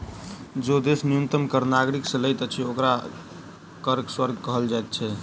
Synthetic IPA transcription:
d͡ʒod̪esnijunt̪əmkəɾnaɡɾiksə̃ləjt̪ət͡ʃʰɛokɾa | kəɾɡswəɾɡkəɦəld͡ʒajt̪̚t͡ʃʰɛ

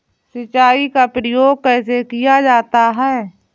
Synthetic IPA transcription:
sət͡ʃaːikapɾəjoːɡ̚kɛːs̬ekijad͡ʒaːt̪aɦɛː

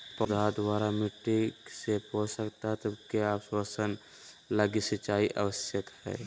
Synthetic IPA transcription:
pəd̪ʱaːd̪ʋaːɾamɪʈːisepoːt͡ʃsəkt̪aɦɛt̪əbkeaːpswasən | laɡisɪt͡ʃaːiʔə̰wəsjət̪hɛ̰ː

